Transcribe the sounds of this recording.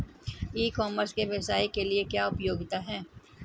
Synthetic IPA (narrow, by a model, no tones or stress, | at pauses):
iːkɔːməɾskeʋɐsaːekeliekjaːʊpjoːɡɪt̪aɦɛː